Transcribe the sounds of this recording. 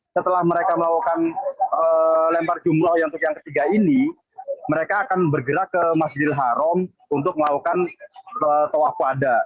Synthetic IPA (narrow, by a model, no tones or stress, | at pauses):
sət̪əlahməɾekaməlakukanəlɛmpard͡ʒumɾɔhjat̪ʊukjaŋkət̪iɡaini | məɾekaːkanbərɡəɾakəmasd͡ʒɪlɦaɾɔm | unt̪ʊk̚məlakukanət̪owafuada